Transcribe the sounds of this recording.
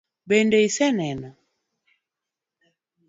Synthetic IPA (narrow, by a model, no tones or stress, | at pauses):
bɛndɛisɛnɛna